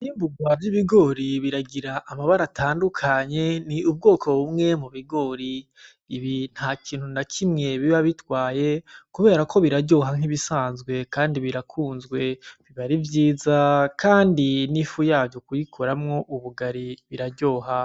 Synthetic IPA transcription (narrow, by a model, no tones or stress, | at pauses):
iːmbuɡavjiβiɡo̞ːɾiβiɾaɡiɾaʔːmaβaɾatʰaːndukʰaɲe̞niub̚ɡo̞ːkʰo̞βumŋe̞muβiɡo̞ːɾi | iβin̥hakiːn̥hunakʰimŋe̞βiβaβitwaːje̞kuβe̞ːɾakʰo̞βiɾaɾɟo̞ːɦaŋ̥iβisaːnzɡwe̞kaːndiβiɾakʰuːnzɡwe̞βiβaɾivjiːzakʰaːndinifujaːvjokujikʰoɾamŋo̞ʔuβuɡaɾiβiɾaɾɟo̞ːɦa